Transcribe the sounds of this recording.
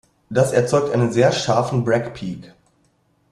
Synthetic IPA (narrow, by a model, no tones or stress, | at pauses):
d̥asɛɐt͡sɔʏk̚tʔaɪnənzeːɐʃaɐfn̩bʁɛkpʰiːk